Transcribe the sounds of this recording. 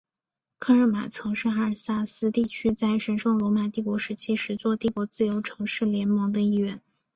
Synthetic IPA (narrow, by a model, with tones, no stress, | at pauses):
kʰa˥nɻə˥˩ma̰˨˩t͡sʰɤ˧˥ŋʂɻ̩˥˩˧a˥ə˨˩sa˥˩sɹ̩˥t̪i˥˩t͡ɕʰy˥t͡sa˥˩ɪʂə˧˥nʂɑ˥˩ŋlwɔ˧˥ma˨˩t̪i˥˩kwɔ˧˥ʂɻ̩˧˥t͡ɕʰi˥ʂɻ̩˧˥t͡swɔ˥˧t̪i˥˩kwɔ˧˥t͡sɹ̩˥˩jo˧˥ʊʈ͡ʂʰɤ˧˥ŋʂɻ̩˥˩ljɛ˧˥nmɤ˧˥ŋd̪ə˧i˥˧ɥɛ˥˩˦n